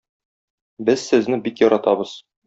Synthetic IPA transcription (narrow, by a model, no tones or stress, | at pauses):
bɘzsɘ̆znɘbikjɒɾɑt̪ɑbɤz̥